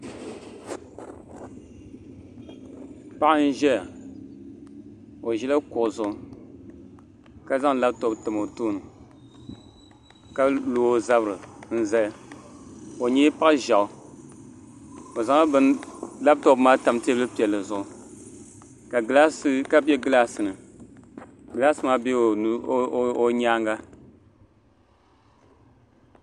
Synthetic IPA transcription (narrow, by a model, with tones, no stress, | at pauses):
pa˦ʔn̩˦ʒɛ˦ja˨ | o˨ʒɛ˦la˦kʊ˨ʔʊ˨zʊ˦ʊ˦ | ka˦za˦ŋ˦la˦bto˨btɨ˨mo˨toː˦nɨ˨ | ka˦loː˨o˦za˦bɾɨ˨n̩˦zɛ˦ | o˨ɲɛ˦pa˦ʔɨ˦ʒa˨ʊ˨ | o˨za˨ŋa˦bɨ˦nla˦b̚to˨bmaː˦ta˨m˦tɛ˦bɨ˦pi˨ɛ˨lːɨ˨zʊ˨ʔʊ˨ | ka˨˦la˦ska˦bɛ˦ɡɨ˦la˦sɨ˨nɨ˨ | ɡɨ˨la˦sɨ˦maː˦bɛ˦˨˦o˦ɲaː˦ŋɡa˦